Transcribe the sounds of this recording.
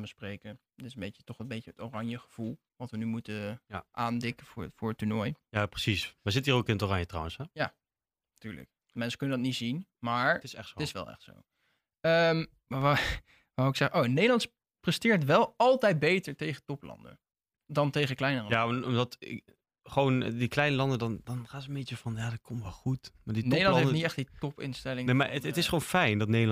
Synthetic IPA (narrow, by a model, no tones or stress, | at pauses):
bəsprejkən | tɪsəmbejcə̥tɔχlˠəmbejtəətorɑɲjəχəv̥ulˠ | ʋɑtʋənymutəʔaːndɪkəvɹfʊːɹətːyɹnɔjjaprəsisazɪtiːrokɪnətoːrɑɲjətra̰wə̃nsɛja | tyːɹlə̰k̚ | mɛnsə̥kɵnədɑtnitz̥inmaːɹtɪɛttɪsʋɛ̰lˠɛ̰χtso̰w | əm | aa | ʋaɪksɛχəʔownejdəlɑnts | prɛstɪːɹtʋɛlˠɑlˠtɛjd̚bejtəɹtejχətɔplɑ̰ndə̰ | dɑntejχəklɛjnərəjaːɔmdɑt | χəʋowndiklɛjnəlɑndədɑndɑnχaːsəəmbet͡ʃəvɑnjaːdɑkʰɔmtʋɛlˠχutmaːdinejdəlɑntenitɛχtditɔpɪ̰nstɛlɪŋnema̰əətɪsχəʋownfɛjndɑtnejdəl